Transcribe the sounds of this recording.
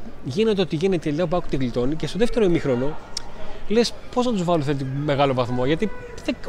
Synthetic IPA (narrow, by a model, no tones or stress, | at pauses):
ʝine̞t̪eot̪iʝinet̪elʲt̪ɐp̬ɐku̥t̪iɣlit̪o̞nicest̪oðeft̪e̞ɾoimixɾo̞no | le̞spo̞znɐt̪uzvɐloθet̪̬ime̞ɣɐlo̞vɐθmo̞ʝɐt̪iðe